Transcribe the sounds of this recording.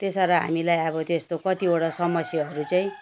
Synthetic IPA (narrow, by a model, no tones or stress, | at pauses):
t̪esʌɾʌɦa̰milajʌβʌt̪est̪okʌt̪ioɽasʌmʌsjʌɦʌɾut͡saĩ